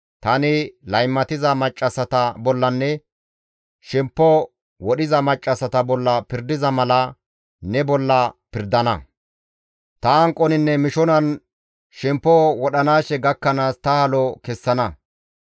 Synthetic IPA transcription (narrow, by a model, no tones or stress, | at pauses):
t̪ɐnɪlɐjmːɐt̪ɪzɐmɐt͡ʃʼːɐsɐt̪ɐbɔlːɐnːɛ | ʃɛmpːɔ | wɔɗɪzɐmɐt͡ʃʼːɐsɐt̪ɐbɔlːɐpɪɾd̪ɪzɐmɐlɐ | nɛbɔlːɐpɪɾd̪ɐnɐ̰ | t̪ɐɐŋkʼːɔnɪnːɛmɪʃɔnɐn | ʃɛmpːɔwɔɗɐnaːʃɛɡɐkːɐnaːst̪ɐhɐlɔkɛsːɐnɐ